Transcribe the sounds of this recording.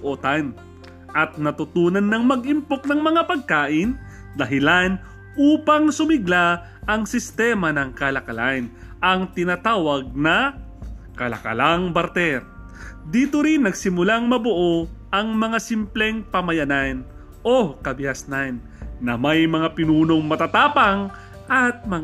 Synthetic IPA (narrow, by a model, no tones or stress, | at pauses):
ʔot̪an | ʔɐt̪̚nɐt̪ʊt̪uːnɐnːɐŋmɐɡʔɪmpok̚nɐŋmɐŋapɐɡ̚kaːʔɪn | d̪ɐɦɪlan | ʔuːpɐŋsʊmɪɡla | ʔɐŋsɪst̪ɛmɐnɐŋkɐlɐkɐlan | ɐŋt̪ɪnat̪aːwɐɡ̚nɐ | kɐlɐ̰kɐ̰laŋbɐɾt̪ɛɾ | d̪iːt̪oɾinːɐɡsɪmʊlaŋmɐbʊʔo̞ʔɐŋmɐŋasimplɛŋpɐmɐjɐnan | ʔokɐbɪɐsnanː | ɐmɐjmɐŋapɪnuːno̞ŋmɐt̪at̪aːpɐŋ | ʔɐt̪̚mɐŋ